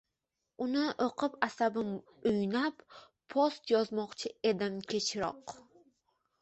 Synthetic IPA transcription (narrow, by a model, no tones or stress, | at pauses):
ʊnɪʔoqʰɨpasabɪm | ʊjnap | pʰːost̪jɒzmɒqt͡ʃʰɪe̞d̪ɪmkʲʰe̞t͡ʃʰɾɒ̰q